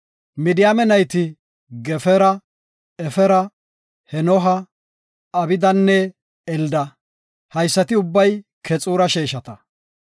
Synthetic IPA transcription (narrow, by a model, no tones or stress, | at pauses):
mɪd̪ɪjamɛnɐjt̪ɪ | ɡɛfɛɾɐ | ɛfɛɾɐ | hɛnɔɦɐ | ɐbɪd̪ɐnːɛ | ɛld̪ɐ | hɐjsːɐt̪ɪʊbːɐjkʰɛt͡sʼuːɾɐʃeːʃɐt̪ɐ